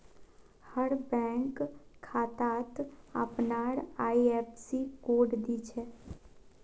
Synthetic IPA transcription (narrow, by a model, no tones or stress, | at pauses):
həɾbɛ̃ːŋkʰːaːt̪aːt̪ə̰pnaɾaːiepsikoːɖd̪it͡ʃʰɛ